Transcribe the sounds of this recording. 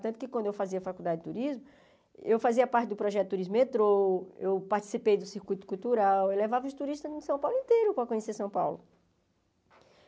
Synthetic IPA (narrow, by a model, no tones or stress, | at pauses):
t̪ɐ̃nt̪ʊkɪkwɐ̃nd̪ʊewfaziɐfakuwd̪ad͡ʒɪɪt̪uɾizmʊ | ewfaziɐpaɾt͡ʃɪd̪ʊpɾɔʒɛt̪ʊt̪ːuɾizmʊet̪ɾoewpaɾt͡ʃi̥sipejd̪ʊsiɾkujt̪ʊ̥kuwt̪uɾawewlevavɐʊst̪uɾiʃt̪ɐzĩsɐ̃w̃pawlʊĩnt̪ejɾʊpɾɐkõɲesesɐ̃w̃pa̰wlʊ